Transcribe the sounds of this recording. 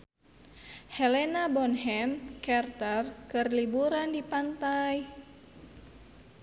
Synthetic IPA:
hɛlɛnabɔnɦɛmkɛrt̪arkɨrlibuɾandipant̪aj

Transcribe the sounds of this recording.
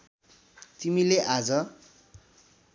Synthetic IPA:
t̪imileʔad͡zʌ

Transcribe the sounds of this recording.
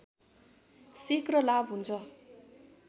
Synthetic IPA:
sikrʌlabɦunt͡sʰʌ

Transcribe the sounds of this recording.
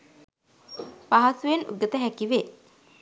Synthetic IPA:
paɦasujenṵɡət̪əɦækiʋe

